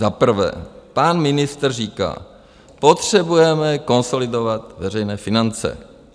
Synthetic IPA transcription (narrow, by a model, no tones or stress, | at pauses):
zapr̩vɛ̰ːpanmɪnɪst̪r̩riːka̰ː | po̞t̪r̥ɛbujɛmɛko̞nso̞lɪdo̞vat̪vɛrɛjnɛːfɪnant͡sɛ̰